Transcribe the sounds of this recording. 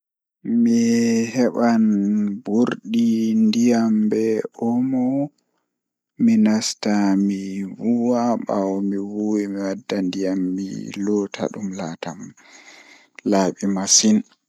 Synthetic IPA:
mihɛɓanbuɾɗindijambɛʔɔmɔ | minastamiwuwaɓawɔmiwuwimiwadːandijamːḭlɔːtʰa̰ɗumlaːtam | laːɓimasin

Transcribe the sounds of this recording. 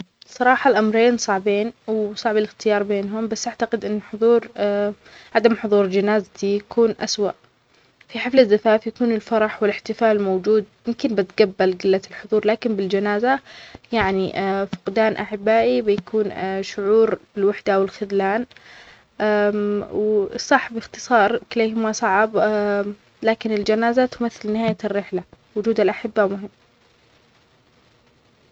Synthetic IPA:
sˤɑɾˤɑːħɑlʔamɾeːnsˤɑʕbeːnwsˤɑʕbalɪxt̪ɪjɑːɾˤbeːnɦʊmbasːʔaʕt̪aqɪd̪ʔɪnːħʊðˤuːɾ | ʕad̪amħʊðˤuːɾd͡ʒanaːzat̪ijakuːnʔa̰swa̰ʔ | fiħaflaðːafaːfjakuːnɪlfɑɾˤɑħwɪlɪħt̪ɪfaːlmowd͡ʒuːd̪̚mɪmkɪnbɪt̪ɡabːalɡɪlːat̪ɪlħʊðˤuːɾˤlaːkɪnbɪld͡ʒanaːzajaʕniʔfʊ̥qd̪aːnʔaħɪbːaːʔibɪjakʰuːnʃʊʕuːɾb̥ɪlwaħd̪aʔwɪlxʊðlaːn | ʔawsˤːɑħbɪxt̪ɨ̥sˤɑːɾˤkɪleːɦɪmasˤɑʕb | laːkɪnɪld͡ʒanaːzat̪ʊmaθːɪlnɪɦaːjarːɪħla | wʊd͡ʒuːd̪alʔaħɪbːamʊɦɪmː

